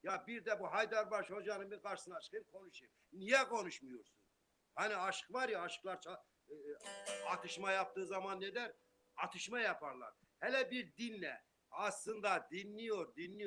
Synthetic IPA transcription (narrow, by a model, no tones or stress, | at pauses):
jabiɾd̪ɛbuɦajd̪aɾbaɾʃhod͡ʒanɯnbiɾkʰaɾʃɯsɯnaʃkʰɯjɯmkʰo̞nuʃɯm | nijɛkʰo̞nuʃmujoɾsun | haniaʃɯ̥kvaɾjaːʃɯ̥klˠaɾt͡ʃʰa | ɑt̪ʰɯʃmajap̚t̪ɯːzamanːed̪æɾ | ɑt̪ʰɯʃmajapʰaɾlˠa̰ɾ | hɛlʲɛbiɾd̪inlɛ̰ | aslˠɯnd̪ad̪inːijo̞ɾd̪inːʲij